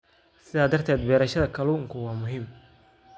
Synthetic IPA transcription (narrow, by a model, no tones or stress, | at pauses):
sɪðaːd̪ːɐrt̪ʰɛːd̪̚bɛːɾɐʃɐðɐkʰɐluːɪŋkʰʊwaːmʊɦiːm